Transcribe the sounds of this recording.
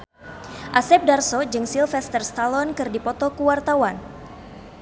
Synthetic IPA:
ʔasɛp̚darsɔd͡ʒɨŋsilfɛst̪ɛrst̪alɔnkɨrdipɔt̪ɔkuwart̪awan

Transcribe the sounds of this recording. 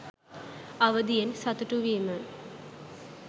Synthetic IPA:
aʋəd̪ijensɐt̪uʈuʋimə

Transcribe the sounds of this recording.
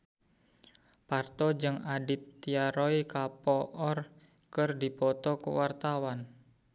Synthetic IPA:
part̪ɔd͡ʒɨŋadit̪ːiaɾɔikapɔʔɔr | kɨrdipɔt̪ɔkṵwart̪awan

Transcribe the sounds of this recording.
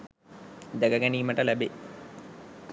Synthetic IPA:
d̪æɡəɡæniːməʈəlæbe

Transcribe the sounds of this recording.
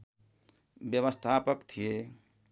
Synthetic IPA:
bjəβəst̪ʰapəkt̪ʰije

